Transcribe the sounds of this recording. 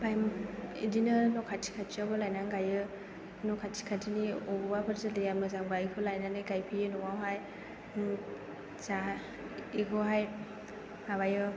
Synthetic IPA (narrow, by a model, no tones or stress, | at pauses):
bajmuḭdinɯnɔkʰatʰi̥kʰatʰiɔbɯlajnaŋɡajɯ | nɔkʰatʰi̥kʰatiniɔbɔbabʰɯɾzɯlejamɯzaŋbaikʰɯlajnanɯjkajpʰijɯnɔŋawɦaj | za | ikʰɔɦaj | maβajɯ